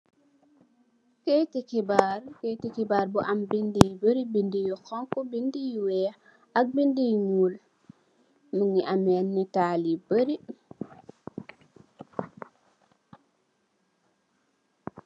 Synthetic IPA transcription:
kɛjtikibaɾkɛjtikibaɾbɔʔambindijbəɾibindijɔkɔŋkɔbindijwɛa | ʔak̚bindijŋuːl | muŋiʔamɛnːitaːlibəɾi

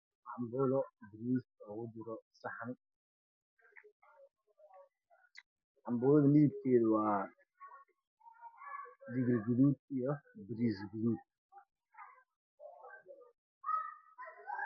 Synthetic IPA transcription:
ʔambʊlɔbɾisɔwʊbuɾɔsahan | ambʊːlɔdɐnidib̚keːdwaː | diɡɾɡulut̪̚jɔbɾisɡuluːt̪̚

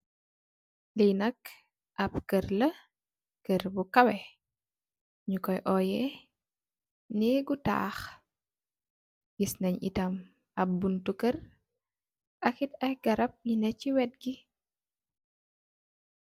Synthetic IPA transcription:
lijnɐk | ʔɐpkərlɐ | kəɾbukɐwɛ | ɲukɔjʔɔjɛ | niɡuta̰ːx | ɡisnɐɲḭtɐm | ɐb̚buntukər | ʔɐkitɐjɡɐɾɐp̚ɲinɛcːiwɛt̚ɡi

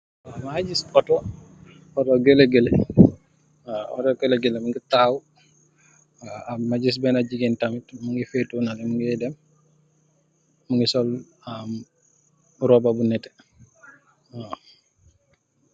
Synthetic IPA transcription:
wamad͡ʒisɔtɔ | ɔtɔɡeleɡelɛ | aɔ̰tɔɡelɛɡelɛmuŋɡitaw | aamad͡ʒis̬bɛnad͡ʒiɡintamitmuŋɡifetːunalɛmuŋɡɛdɛm | uŋɡisɔl | am | ɾɔbabunɛtɛ̥ | ha

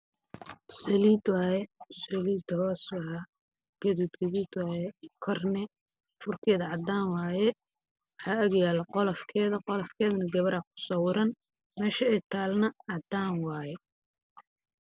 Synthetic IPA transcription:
sɐliːd̪waːjɛsɐliːd̪hɔːswɐa | ɡ̥ɐðuːd̪ɡɐðuːd̪waːjɛkʰɔrnɛ | fʊrkʰɛːðɐʕɑd̪aːnwaːjɛ | ħaːɐɣjaːlɐqɔlɐfkʰɛːðɐqɔlɐfkʰɛːðɐnɐɡɐβɐɾakʰʊ̥sɔːwɪɾɐn | mɛːʃɐɛt̪ʰaːlnɐʕɑd̪aːnwaːjɛ

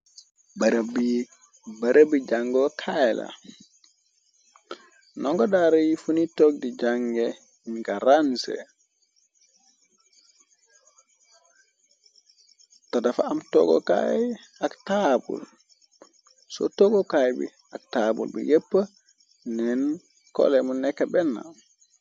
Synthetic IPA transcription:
baɾbi | baɾabid͡ʒaŋɡɔkʰajla̰ | nɔŋkɔdaɾajifunitɔɡ̚did͡ʒaŋɡɛ | ɲkaɾansɛ̰ | tadafaamtɔ̰ɡɔ̰ka̰jaktabṵl | sɔ̰tɔɡɔkajbḭ | ak̚tabṵlbḭjepːa | nɛn | kɔ̰lɛmunɛkːabɛnːa̰

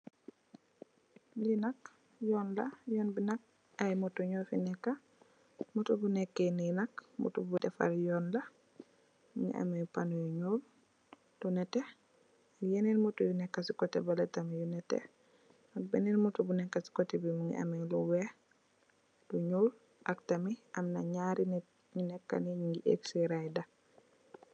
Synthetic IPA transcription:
linak | jɔnlajɔnbinak̚ | ajmutuɲɔfinɛkːa | mutubunɛkːeninakmṵtubutɛfa̰ɾjɔːnla | muŋḭʔa̰mejpanujuɲul | tunɛtɛ | akjeninmutujunɛkːasikɔtɛbalatamijunɛtɛ̰ | ak̚beninmutubunɛkːasi̥kotɛbimuŋḭʔa̰miluwɛ | duɲul | ʔaktamiʔamnaɲaɾinɛ | ɲunɛkːa̰niɲiŋɡiʔḛksiɾajda

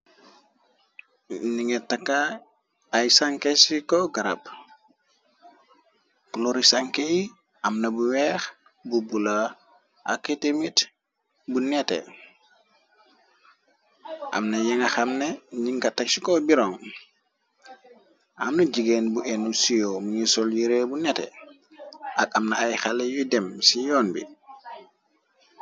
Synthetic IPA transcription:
niŋetakːaː | jsaŋkesikoɡaɾa̰p | kloɾisaŋkeji | amnɐbuwɛx | bubula | a̰ketemit | bunɛtḛ | ʔa̰mnajɛŋaxamnɛɲiŋkatak̚sikɔbiɾɔŋ | ʔamnɐd͡ʒiɡenbuʔɛnusijɔmuɲisɔljiɾebunɛtɛ̰ | ʔak̚amnaajxalɛjudɛmsijɔːnbḭ

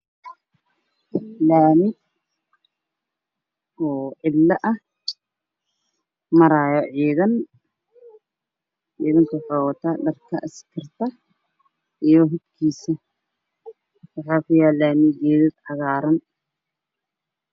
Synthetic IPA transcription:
laːmɪ | ɔːʕɪlːɐʔɐh | mɐɾaːjɔʕiːðɐn | ʕiːðɐŋkʰɐwħaːwɐt̪ʰaːɗɐrkʰɐʔɪskʰɪrt̪ʰɐ | ʔijɔɦɪd̪kʰiːsɐ | wɑħaːkʰʊjaːlaːmɪd͡ʒɛːðɐd̪ʕɑɣaːɾɐn

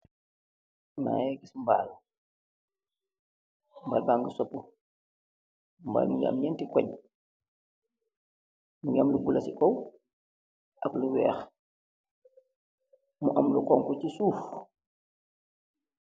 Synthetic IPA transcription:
na̰ːjɛɡismba̰ːl | mbalbaŋɡəsɔpːu | mba̰ːlmuɲa̰mɲɛntikɔɲ | muɲamluɡulɐsikɔw | ʔɐkluwɛ̰ːx | muʔɐmlukɔŋkɔcisuːf

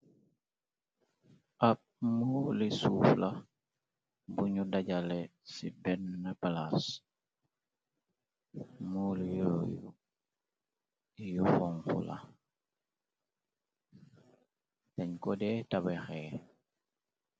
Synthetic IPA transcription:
ʔap̚mulisuːfla | buɲudaɟalesibɛnːapalas | mulijojṵ | ijufɔŋkṵla̰ | taɲkɔdɛtabexɛ

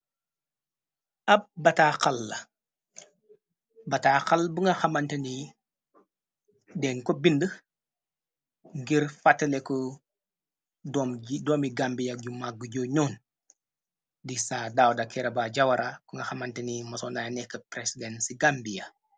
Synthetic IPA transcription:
ʔɐb̚bɐtakalːɐ | bɐtaxalbuŋɡɐxamantɐni | dɛnkobində | ŋɡiɾfatːɐleku | dɔmdɔːmiɡambijaɡumak̚ɡ̚ɡuɟoːɲɔːn | disaːdaːwdakʰɛɾɐbaɟawɐɾakuŋɡɐxamantɐnimɐsonajanɛkːəpɾesidensiɡambija

